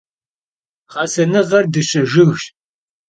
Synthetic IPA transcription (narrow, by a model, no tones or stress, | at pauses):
χɑːsɐnɨʁɐrdɨɕɐʒɪɣɕ